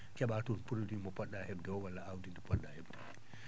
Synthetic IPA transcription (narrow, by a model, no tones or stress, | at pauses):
kɛɓatunpuɾudimɔpɔɗːahɛbdɛɔwalːaawdindipɔɗːahɛbdɛ